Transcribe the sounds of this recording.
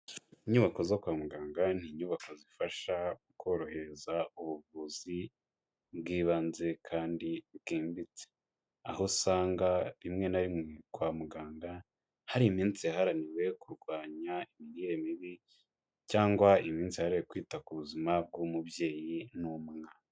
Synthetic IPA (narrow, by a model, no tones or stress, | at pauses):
iɲuβako̞zokwaːmuɡaːŋɡan̥iːɲuβako̞zifaʃauko̞ɾo̞he̞ɾezauβuvuːzi | bɡiːβanze̞kʰaːndiβɡiːmbit͡se̥ | a̰ho̞saːŋɡaβimŋe̞naɾimwekwaːmuɡaːŋɡa | haɾiːmiːnt͡sijaɦaɾaniwe̞kuɾɡwaːɲaimiɾiːɾe̞miβi | caːŋɡwaimiːnt͡sihaɾewekwiːtakuβuzimab̚ɡumubje̞ːjinumŋaːna